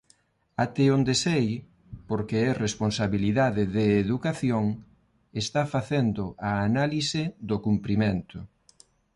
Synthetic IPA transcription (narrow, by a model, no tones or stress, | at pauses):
at̪ɪond̪esej | poɾkeɛresponsaβiliðaðɪðeːðukaθjoŋ | est̪afaθend̪ʊʔaːnalisɪðokumpɾiment̪ʊ